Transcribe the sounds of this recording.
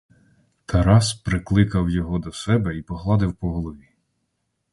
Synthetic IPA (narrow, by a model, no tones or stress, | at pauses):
t̪ʰɐɾɑspɾɪklˠɪkɐwjɔɦɔd̪ɔsɛbɛipɔɦlˠɑd̪ɪwpɔɦɔlˠɔʋʲi